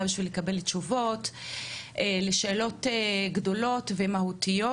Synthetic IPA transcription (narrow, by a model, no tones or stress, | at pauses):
abiʃvilekabe̞litːʃuvo̞tʔeleʃe̞ːlo̞teɡdo̞lo̞tve̞mahutijo